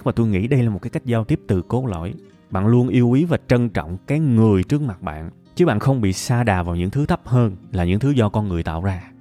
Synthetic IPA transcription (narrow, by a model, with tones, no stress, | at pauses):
k̚maː˨˩t̪o˧jŋḭ˧˥ɗə˧jlaː˨˩mo˨˩aː˨˦jka˦˥jk̚zaː˧wt̪i˦˥əp̚t̪ɨ˨˩ko˨˦lo̰˧˩˨j | ɓa̰ː˧˨nlu˧ənʔi˧əwʔi˨˦vaː˨˩t͡ɕə˧nt͡ɕɔ̰˧˨wŋ͡mkaː˨˦jŋɨ˨˩əjt͡ɕɨ˦˥ək̚ma˨˩t̚ɓa̰ː˧˨n | t͡ɕɨ˨˦ɓa̰ː˧˨nxə˧wŋ͡mɓḭ˧˨saː˧ɗaː˨˩vaː˨˩wɲɨ̰˧˥ŋt̪ʰɨ˨˦t̪ʰə˦˥p̚həː˧nlaː˨˩ɲɨ̰˧˥ŋt̪ʰɨ˨˦zɔ˧kɔ˧nŋɨ˨˩əjt̪a̰ː˧˨wzaː˧